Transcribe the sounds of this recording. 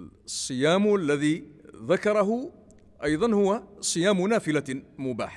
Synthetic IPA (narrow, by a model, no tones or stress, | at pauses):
sˤːɨjaːmalːaðiːðakɑɾˤɑɦʊ | ʔɑjðˤɑnhʊwasˤɨjaːmʊnaːfɪlamʊba̰ːħa